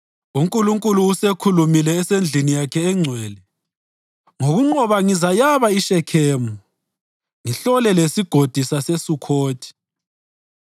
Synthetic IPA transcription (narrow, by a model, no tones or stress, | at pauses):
uŋkʼuluŋkʼuluusekʰulumilɛːsend͡ɮʱinijakʰɛːŋ͡ǀʱwɛːlɛ | ŋoɣuŋ͡ǃɔβaŋizajaβaiʃɛkʰeːmu | ŋiɬɔlɛlesiɡ̥ʱod̥ʱisasesukʰoːtʰi̥